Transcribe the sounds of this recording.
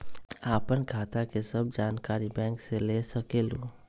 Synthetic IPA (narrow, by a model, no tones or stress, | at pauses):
aːpənɡʱaːt̪akesəb̚d͡ʒaːnkaːɾibɛ̃ːŋkseleːsəkeːlo